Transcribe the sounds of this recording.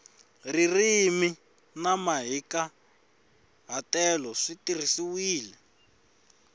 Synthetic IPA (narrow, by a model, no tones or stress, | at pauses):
ririmi | namaɦika | ɦatɛlɔʂitirisiwiːlɛ